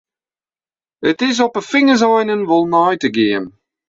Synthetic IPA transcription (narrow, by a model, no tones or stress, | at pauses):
ətɪzɔpəfɪŋəzajnənvɔlˠnajtəɡeːəm